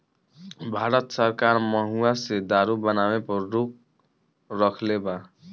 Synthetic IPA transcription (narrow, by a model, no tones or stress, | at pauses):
bʱaɾʌt̪sʌrkarmʌɦuased̪aɾubʌnawepʌruk̚ | rʌkʰleba